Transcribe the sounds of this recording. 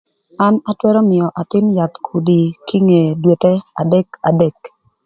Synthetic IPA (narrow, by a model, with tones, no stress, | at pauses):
a˦na˦twɛ˦ɾɔ˦mɪ˨ɔ˨ʔa˨t̪ɪ˦nja˨t̪kʰu˨di˨ki˦ŋe˨dwe˨t̪ɛ˦a̰˨dɛ˦ka˨dɛ˦˨k